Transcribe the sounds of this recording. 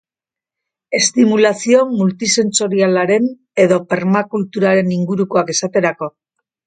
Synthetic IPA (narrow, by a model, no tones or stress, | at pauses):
e̞st̪imulasio̞mult̪ise̞nso̞ɾialaɾe̞n | e̞ðo̞pe̞ɾmakult̪uɾaɾe̞niŋɡuɾuko̞ake̞sat̪e̞ɾako̞